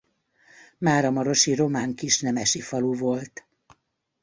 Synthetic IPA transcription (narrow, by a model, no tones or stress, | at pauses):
maːɾɒmɒɾo̞ʃiro̞maːŋkiʃnɛmɛʃifɒluvo̞lt̪